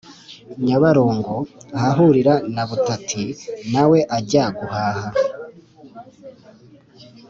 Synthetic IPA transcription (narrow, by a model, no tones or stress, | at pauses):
ɲaβaɾo̞ːŋɡo̞haɦuɾiɾanaβutatʰinawe̞ʔaɟaɡuhaːha